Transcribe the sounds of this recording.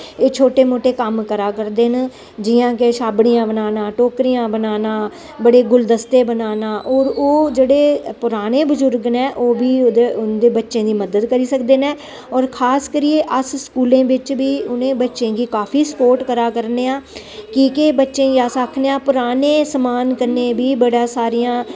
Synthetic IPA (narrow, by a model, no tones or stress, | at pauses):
eːt͡ʃʰoːʈeːmoːʈeːkəmkəɾaːkəɾd̪eːn | d͡ʒɪːãːkeʃaːbɽijãːbənaːnãːʈoːkɾijãːbənaːnãː | bəɽeːɡʊld̪əst̪eːbənaːnãːʔɔːɾoːd͡ʒeːɽeːpʊɾaːneːbʊzʊɾɡnɛ̃ːʔoːbiːd̪eʊnd̪eːbətːʃẽːd̪iːməd̪əd̪kəɾiːsəkd̪eːnɛ̃ː | ɔːɾkʰaːskəɾijeːʔəsskuːlẽːbɪt͡ʃbiːʊnẽːbətːʃẽːɡiːkaːpʰiːsə̥poːɾʈkəɾaːkəɾneːãː | kiːkebətːʃẽːjaːsaːkʰneːãːpʊɾaːneːsəmaːnkəɾnẽːbiːbəɽãːsaːɾijãː